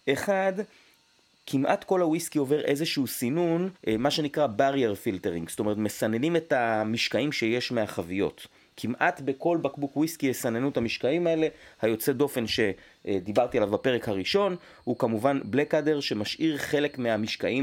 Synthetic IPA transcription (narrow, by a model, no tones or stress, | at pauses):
ʔe̞χad | kʰimʔatko̞lhawiskio̞ve̞ʁe̞̰zeʃuusinunmaʃe̞nikʁabaʁjeʁfilteʁḭŋɡsto̞me̞ʁet̪mesane̞nime̞tamiʃkaimʃe̞je̞ʃmeaχavijo̞̰t | kʰimʔatbe̞ko̞lbakbukwiskiesanenuthamiʃkaimae̞le̞hajo̞t͡se̞do̞fe̞nʃe̞ | d̪ibaʁt̪ialavape̞ʁekhaʁiʃo̞n | hukamuvanblekade̞ʁʃe̞maʃʔiʁχe̞le̞kmeamiʃkaʔim